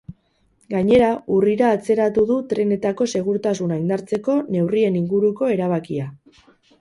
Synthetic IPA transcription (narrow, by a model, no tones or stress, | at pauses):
ɡaɲe̞ɾauriɾaːt͡se̞ɾat̪uðut̪ɾe̞ne̞t̪ako̞se̞ɣ̞uɾt̪asunaind̪aɾt͡se̞ko̞ne̞wrie̞niŋɡuɾuko̞e̞ɾaβ̞akia